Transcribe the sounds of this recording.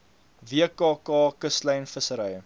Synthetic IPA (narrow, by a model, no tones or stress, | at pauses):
viəkɑːkɑːkəslɐjnfəsəɾəjə